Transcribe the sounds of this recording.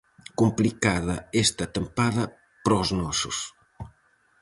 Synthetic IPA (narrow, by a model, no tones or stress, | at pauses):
kumplikaðɐest̪ɐt̪ɐmpaðɐ | pɾɔznɔsʊs